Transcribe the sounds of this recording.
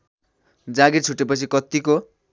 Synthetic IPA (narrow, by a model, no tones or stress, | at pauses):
d͡zaɡirt͡sʰuʈːepʌt͡sʰikʌt̪iko